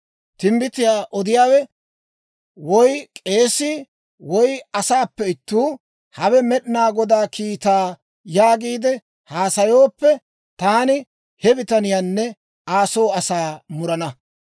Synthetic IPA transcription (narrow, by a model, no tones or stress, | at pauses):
t̪ɪmbɪt̪ɪjaːʔɔd̪ɪjaːwɛ | wɔjkʼe̞ːsiː | wɔjɐsaːpːɛɪt̪ːuː | hɐbɛmɛɗɪnaːɡɔd̪aːkiːt̪aː | jaːɡiːd̪ɛ | haːsɐjoːpːɛ | t̪aːnɪ | hɛbɪt̪ɐnɪjaːnːɛ | aːsoːɐsaːmʊɾɐnɐ